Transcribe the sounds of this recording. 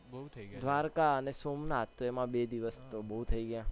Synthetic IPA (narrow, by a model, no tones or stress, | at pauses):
d̪ʱʋaɾkaənesomnat̪ːoemãbed̪iʋəst̪obəut̪ʰəiɡəjã